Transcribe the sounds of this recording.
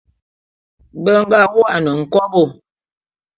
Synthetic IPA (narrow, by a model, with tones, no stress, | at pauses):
bə˦ŋ˦ɡa˦˨wo˦a˨nə˨ŋ̩˨kɔ˦bo˦˨